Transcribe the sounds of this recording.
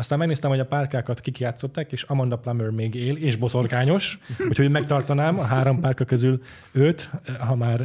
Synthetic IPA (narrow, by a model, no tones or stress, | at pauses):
ɒst̪aːmɛɡneːst̪ɛmho̞ɟɒpaːrkaːkɒt̪kikjaːt̪so̞t̪ːaːkeːʃɒmɒnd̪ɒplamørmeːɡeːleːʒbo̞so̞rkaːɲo̞ʃhucʰhomɛk̚t̪ɒrt̪ɒnaːmɒɦaːɾo̞mpaːrkɒkøzyl | øt̪ɦɒmaːr